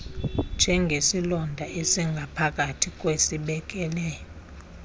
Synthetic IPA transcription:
nd͡ʒʱɛŋɡʱesilɔndʱaʔesiŋɡʱapʰak̬ʼatʰikʼwesiɓɛk̬ʼɛlɛːjɔ

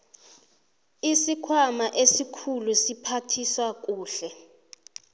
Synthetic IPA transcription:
isikʰwamaʔesikʰulusipʰatʰiswak̬ʼuːɬɛ

